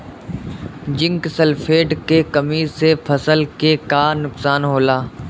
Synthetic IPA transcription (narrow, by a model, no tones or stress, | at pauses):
d͡ʒɪ̃ŋksɐlfʰeːʈkekɐmiːsepʰɐsəlkekaːɾnʊksaːnɦoːlaː